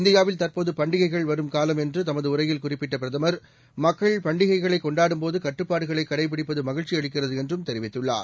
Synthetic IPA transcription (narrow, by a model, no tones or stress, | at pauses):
ɪnd̪ɪjaːʋɪlt̪ɐɾpoːðɯpɐɳɖɪɣɐɪɣɐɭʋɐɾɯmkaːlɐmɛndrɯt̪ɐmɐðɯʊrɐjɪlkʊrɪpːɪʈːɐpɪɾɐðɐmɐɾ | mɐkːɐɭpɐɳɖɪɣɐɪɣɐɭɐɪkːɔɳɖaːɽɯmpoːðɯkɐʈːɯpːaːɽɯɣɐɭɐɪkːɐɽɐɪp̬ɪɽɪpːɐðɯmɐɣɪɻt͡ʃiɐɻɪkːɪrɐðɯɛndrɯmt̪ɛɾɪʋɪt̪ːɯɭːa̰ːɾ